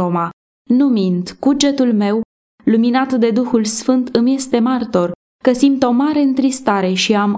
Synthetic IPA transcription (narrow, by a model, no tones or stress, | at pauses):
oma | numind̪kud͡ʒe̞t̪ulme̞w | luminat̪d̪e̞d̪uxulsfɨnt̪ɨmje̞st̪e̞mart̪o̞r | kəsimt̪o̞maɾe̞ɨnt̪ɾist̪aɾe̞ʃiam